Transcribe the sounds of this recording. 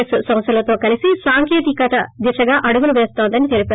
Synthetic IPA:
esusɐ̃msʰɐlɐt̪o̞ːkɐlisisaːŋkeːt̪ikɐt̪ɐd̪iʂɐɡaːʔɐɽuɡuluʋeːst̪oːnd̪ɐnit̪elipe

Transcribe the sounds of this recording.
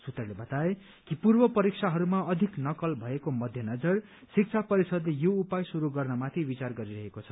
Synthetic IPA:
sut̪ʌrlebʌt̪ae | kipurbʌpʌɾik̚sʰaɦʌɾumaʌd̪ʱiknʌkʌlbʱʌekomʌd̪ʱjʌnʌd͡zʌr | sik̚t͡sʰapʌɾisʌd̪lejoupajsuɾuɡʌrnʌmat̪ʰibit͡sarɡʌɾiɾʌɦekot͡sʰʌ̥

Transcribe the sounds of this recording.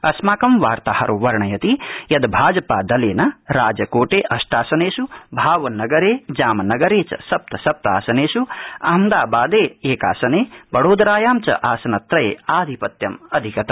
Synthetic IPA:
ɐsmaːkɐmʋaːɾt̪aːhɐ̰ɾʔoʋɐɾɳɐjɐt̪ijɐd̪bʱaːd͡ʒɐpaːd̪ɐleːnɐɾaːd͡ʒɐkoːʈeːʔɐsʈaːsɐneːsubʱaːʋɐnɐɡɐɾeːd͡ʒaːmɐnɐɡɐɾeːt͡ʃɐ̰sɐp̚t̪ɐsɐp̚t̪a̰ːsɐneːsuɐɦɐmd̪aːbaːd̪eːeːka̰ːsɐneːbɐɽoːd̪ɾaːjaːmt͡ʃɐ̰ʔaːsɐnɐt̪ɾɐjḛːaːd̪ʱipɐt̪jɐmɐd̪ʱikɐt̪ɐ

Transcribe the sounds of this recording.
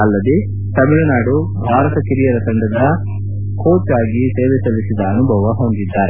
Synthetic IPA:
ɐlːɐd̪e | t̪ɐmiɭunaːɽu | bʱaːɾɐt̪ɐkiɾijɐɾɐsɐnd̪ɐɾbʱɐ | ko̞ːt͡ʃaːɡit̪eːʋɛsɐʋisid̪ɐːnubʱɐʋɐɦond̪id̪ːaːɾe

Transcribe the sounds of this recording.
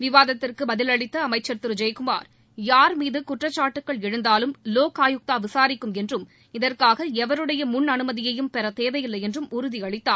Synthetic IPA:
ʋɪʋaːðɐt̪ːɪrkɯbɐðɪlɐɭɪt̪ːɐːmɐɪt͡ʃːɐɾt̪ɯɾɯd͡ʒɐjkɯma̰ːɾ | jaːɾmiːðɯkʊʈrɐt͡ʃːaːʈːɯkːɐɭɛɻɯnd̪aːlɯmloːkaːjɯk̚t̪aːʋɪsaːɾɪkːɯmɛndrɯm | ɪðɐrkaːɣɐɛʋɐɾɯɽɐjɐmʊnɐnɯmɐðɪjɐjɯmpɛɾɐt̪eːʋɐjɪlːɐɪjɛndrɯmʊɾʊðiɐɭɪt̪ːaː

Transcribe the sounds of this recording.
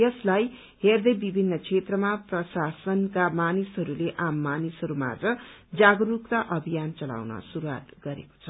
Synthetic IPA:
ʌslaj | herd̪ʌjbibʱinːʌkʰet̪rʌmaprʌsasʌnkamanisɦʌɾuleʔamːanisɦʌɾuma̰d͡zʌd͡zaɡrukt̪aʔʌbʱijant͡sʌla̰wnʌ̰suɾuwa̰t̪ɡʌɾḛko̥t͡sʰʌ̥

